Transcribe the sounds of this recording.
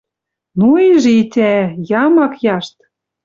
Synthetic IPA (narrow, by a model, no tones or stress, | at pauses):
nuiʒeit̪ʲæjɑmɑkjɑʃt̪